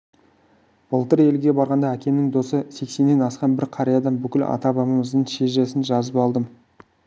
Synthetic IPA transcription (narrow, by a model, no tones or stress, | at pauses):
b̥əlˠt̪əɾe̞lɡʲe̞bɑɾʁɑnd̪ɑækʲe̞nɪŋd̪o̞səse̞kse̞nːe̞nɑsqɑnbɪɾqʰɑɾijɑd̪ɑnbʏkʲɪlɑ̰t̪ɑbɑməməzd̪əɴʃe̞ʒesɪnʒɑzəpɑlˠd̪əm